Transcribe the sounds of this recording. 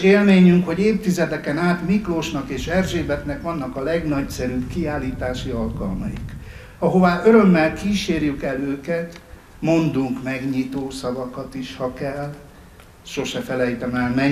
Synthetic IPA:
eːlmeːɲyŋkho̞ɟeːft̪izɛt̪ɛkɛnaːt̪mikloʃnɒkeːʃɛrʒeːbɛt̪nɛkʋɒnːɒkɒlɛɡnɒcsɛɾybkiaːlːiːt̪aːʃiɒlkɒ̰lmɒ̰jḭk | ɒɦo̞vaːʔøɾø̞mːɛlkiːʃeːrjykɛløːkɛt̪ | mo̞nd̪uŋkmɛɡɲit̪oːsɒvɒkɒt̪iʃhɒkɛl | ʃo̞ʃɛfɛlɛjt̪ɛmɛlmɛɲ

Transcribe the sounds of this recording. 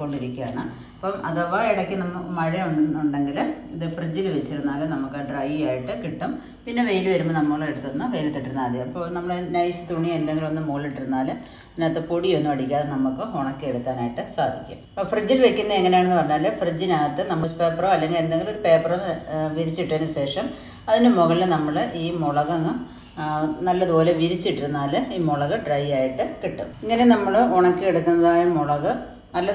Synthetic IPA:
kːo̞ɳɖiɾikʲːujaːɳɨ | ɐpːomʔɐðoʋaːiɽɐkʲːɨnɐmːɐmɐɻɐuɖuɳɖe̞ŋɡiliðɨfrid͡ʑːilʋet͡ɕːiɾunːaːlumnɐmukːɨɖrɐjjaːjiʈːɨkiʈːum | pinːeʋejilʋɐɾumːɨnɐmːoɭːeeɽut̪ːuɐnːɐʋejɾit̪ːiʈːiɾunːaːd̪jɐmɐpːonɐmːɐɭenɐjsɨ̥t̪uɳiend̪eŋɡilʋɐnːɨmoːliʈːiɾunːaːlum | naːt̪ːɨpoɽijo̞nːumɐɽikʲːaːnnɐmːukːɨɦoɳɐkʲːɨeɽukːaːnaːjiʈːɨsa̰ːd̪ʱikʲːṵ | frid͡ʑːilʋe̞kʲːunːɐeŋːɐne̞jaːɳenːɨpɐrɐɲːaːlfrid͡ʑːinaːt̪ːɨnɐmːɐspe̞ːproːɐlːeŋɡile̞nd̪eŋɡilpe̞ːpːɐronʋiɾit͡ɕːiʈːɐɐnuʋiɕe̞ːʂɐm | ɐðinɨmoɣɐɭilnɐmːɐɭʔiːmoɭɐɣɐŋːɐ | nɐlːɐðɨpo̞ːle̞ʋiɾit͡ɕːiʈːiɾunːaːlɨiːmoɭɐɣɐɖrɐjaːjiʈːɨkiʈːṵiŋːɐnenɐmːɐɭoɳɐkʲːɨeɽukːunːɐðaːjɐmoɭɐɣɐ | ɐlːɐ

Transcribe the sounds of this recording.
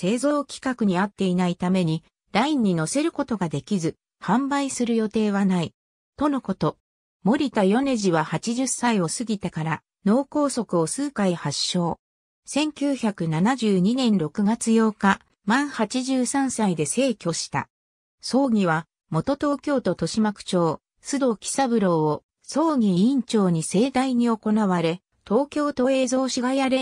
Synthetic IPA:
se̞ːzo̞ːkʲi̥kakɯ̟ɲ̟iat̪ːe̞inait̪ame̞ɲ̟i | ɾaĩɲ̟ːino̞se̞ɾɯ̟ko̞t̪o̞ɡad̪e̞kʲizɨ | hãmbaisɨɾɯ̟jo̞t̪e̞ːβanai | t̪o̞no̞ko̞t̪o̞ | mo̞ɾʲit̪ajo̞ne̞ʑiβahat͡ɕiʑɨsːaio̞sɨɡʲit̪ekaɾa | no̞ːko̞ːso̞kɯ̟o̞sɨːkaihaɕːo̞ː | sẽ̞ŋkʲɨːçakɯ̟nanaʑɨːɲ̟inẽ̞nɾo̞kɯ̟ɡat͡sɨjo̞ːka | mãɰ̃hat͡ɕiʑɨːsãɰ̃said̪e̞se̞ːkʲo̞ɕi̥t̪a̰ | so̞ːɡʲiβa | mo̞t̪o̞t̪o̞ːkʲo̞ːt̪o̞t̪o̞ɕimakɯ̟̥t͡ɕo̞ː | sɨd̪o̞kʲi̥saβɯ̟ɾo̞ːo | so̞ːɡʲiĩɲt͡ɕo̞ːɲ̟ise̞ːd̪aiɲ̟io̞ko̞naβaɾe̞ | t̪o̞ːkʲo̞ːt̪o̞e̞ːzo̞ːɕiɡajaɾe

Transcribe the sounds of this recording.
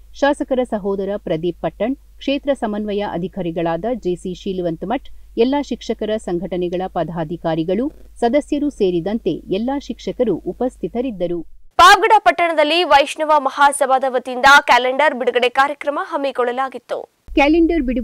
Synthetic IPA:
ʃaːsɐkɐɾɐsɐɦɔːd̪ɐɾɐpɾɐd̪iːpːɐʈːɐɳ | kʂeːt̪ɾɐsɐmɐnʋɐjɐʔɐ̰d̪ʱikaːɾiɡɐɭaːd̪ɐd͡ʒesiʃiːlʋɐnt̪mɐʈɛlːaːʃikʂɐkɐɾɐsɐŋɡʱɐʈɐnɛɡɐɭɐpɐd̪ʱaːd̪ʱikaːɾiɡɐɭusɐd̪ɐsjɐɾuse̞ːɾid̪ɐnt̪e̞ɛlːaːʃikʂɐkɐɾuʔupɐst̪ʰit̪ɐɾid̪ːɐɾupaːʋɡɐɽapɐʈːɐɳɐd̪ɐlːiʋɐjʂɳɐʋɐmɐhaːsɐbaːd̪ɐʋɐt̪ind̪ɐkaːleɳɖɐɾbiɽuɡɐɽekaːɾjɐkɾɐmɐɦɐmːikɔɭːɐlaːɡit̪ːṵ | kaːleɳɖɐɾbiɽu

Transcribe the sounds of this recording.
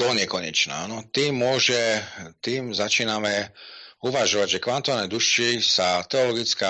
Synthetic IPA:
t̪ɔɲɪɛkɔɲɛt͡ʃna̰ːanɔt̪iːmːʊɔʒɛt̪iːmzat͡ʃiːnamɛuʋaʒɔʋaɟʒɛkʋant̪ɔʋanɛd̪uʃisat̪ɛɔlɔɡit͡ska

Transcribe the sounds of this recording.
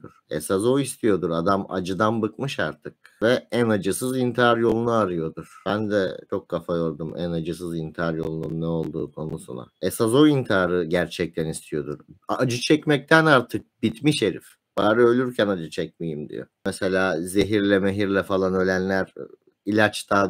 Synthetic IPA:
uɾ̥ḛsazo̞ist̪ʰijo̞d̪uɾad̪ama̰d͡ʒɯd̪anbɯkmɯʃa̰ɾt̪ʰɯk̚vɛænad͡ʒɯsɯzint̪ʰiaɾjo̞lˠunaaɾɯjo̞d̪uɾ̥bænd̪ɛt͡ʃʰo̞kʰːafajo̞ɾd̪umæ̰nad͡ʒɯs̬ɯzint̪ʰiaɾjo̞lˠunṵnːɛo̞lˠd̪ṵːkʰo̞nusṵna̰esazo̞int̪ʰaːɾɯɟæɾt͡ʃʰɛc̚t̪ʰænist̪ʰijo̞d̪uɾad͡ʒɯt͡ʃʰɛcmɛc̚t̪ʰænaɾt̪ʰɯk̚b̥it̪miʃeɾḭf | b̥aːɾɯø̞lʲyɾcʰɛnad͡ʒɯt͡ʃʰɛc̚mijimd̪ḭjo̰mɛselʲaːze̞ɦiɾlʲɛmeɦiɾlʲɛfalˠanø̞lʲænlʲæɾ | ilʲat͡ʃt̪ʰa

